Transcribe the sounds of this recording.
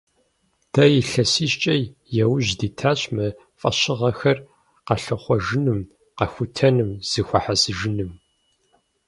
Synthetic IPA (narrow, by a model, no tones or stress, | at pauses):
tʰɐjɪɬɐsiːʃt͡ʃʼɐjjɛwʊʑdiːtʰaːɕʼmɐ | fʼɐɕɪʁɐxɐr | qɐɬɨχʷɔʒɪnɨm | qɐxʷʊtʰɐnɨmz̥ɨxʷɐħasɨʒɪnɨm